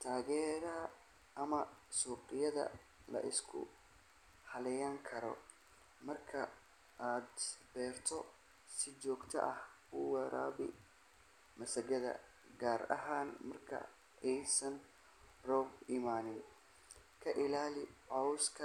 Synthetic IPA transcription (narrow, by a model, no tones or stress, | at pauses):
t̪ʰaːɣɛːɾɐɐ | ʔɐmɐsuːqɪjɐðɐ̰ | lɐ̰ʔɪ̰skʰʊ̰ | hɐlɛjaːŋkʰɐɾɔ̰ | mɐrkʰɐ̰ | ʔaːd̪bɛːrt̪ʰɔ | sɪt͡ʃɔːɡt̪ʰɐ̰ʔɐh | ʊwɛɾʔa̰ːβɪ̰ | mɐsɐɡɐðɐ̰ | ɡaːɾɐ̰ɦaːnmɐrkʰɐ̰ | ɛjsɐn | rɔːbɪmaːnɪn | kʰɐʔɪlaːlɪʕɔwskʰɐ